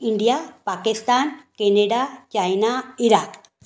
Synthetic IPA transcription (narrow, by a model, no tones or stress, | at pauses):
iɳɖijapakist̪ankeneɖat͡ʃajnaiɾak